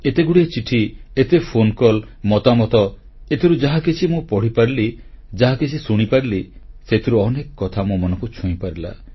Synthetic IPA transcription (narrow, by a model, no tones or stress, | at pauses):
et̪eɡuɽiet͡ʃiʈʰiet̪epʰonkɔl | mɔt̪amɔt̪ɔ | et̪ʰiɾud͡ʒaɦakit͡ʃʰimũpɔɽ̤ipaɾili | d͡ʒaɦakit͡ʃʰisuɽ̃ipaɾiliset̪ʰiɾuɔnekɔkːɔt̪ʰamũmɔnɔ̃ŋkut͡ʃʰũĩpaɾila̰